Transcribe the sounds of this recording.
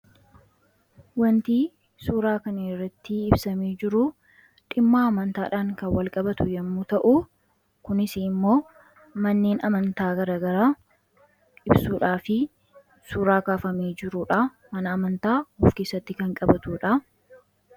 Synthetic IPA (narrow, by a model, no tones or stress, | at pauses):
wɐnt̪iː | suːɾaːkɐnɛrːɐt̪ːɪɪbsɐmeːd͡ʒɪɾʊ | ᶑɪmːaːɐmɐnt̪a̰ːᶑaːŋkɐnwɐlkʼɐbɐt̪ʊjɐmːuːt̪ɐʔʊ | kʊnɪsɪɪmːo̞ː | mɐnːeːnɐmɐnt̪aːɡɐɾaːɡɐɾaː | ɪbsuːᶑaːfɪ | suːɾaːkaːfɐmeːd͡ʒɪɾuːᶑɐ | mɐnɐːmɐnt̪aːɔfke̞ːsːɐt̪ːɪkɐŋkʼɐbɐt̪uːᶑɐ